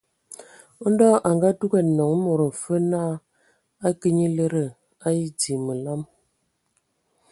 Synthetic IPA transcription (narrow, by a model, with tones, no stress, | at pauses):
n̩˦dɔ˦ʔa˨ŋɡa˦tu˦kɛ˦˨tnɔ˨ŋ˦mo˨ɾə˨m̩˨fə˦na˦ | a˦kə˦ɲi˦lə˦ɾə˦˨ | a˦ji˦di˨mə˨la˦m